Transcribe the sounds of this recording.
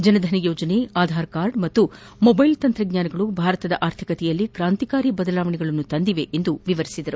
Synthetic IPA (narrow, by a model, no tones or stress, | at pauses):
d͡ʒɐnɐd̪ʱɐnɐjoːd͡ʒɐneaːd̪ʱaːɾkaːɾɖmɐt̪ːu | mɔbɐjlt̪ɐnt̪ɾɐɡɲaːnɐɡɐɭubʱaːɾɐt̪ɐd̪ɐʔaːɾt̪ʰikɐt̪ɛjɐlːikɾaːnt̪ikaːɾibɐd̪ɐlaːʋɐɳɛɡɐɭɐnːut̪ɐnd̪iʋeʔend̪uʋiʋɐɾisid̪ɐɾu